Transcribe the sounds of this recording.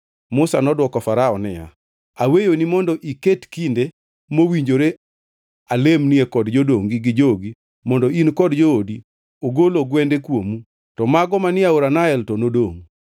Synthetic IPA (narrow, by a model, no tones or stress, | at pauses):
mʊsanɔdwɔkɔfaɾaɔnɪja̰ | awejonimɔndɔʔiketkinde | mowiɲd͡ʒoɾe | alemniekɔdd͡ʒodoŋɡiɡɪd͡ʒoɡi | mɔndɔinkɔdd͡ʒoodi | oɡoloɡwɛndekwomu | tɔmaɡɔmanɪaoɾanaɛltɔnodoŋ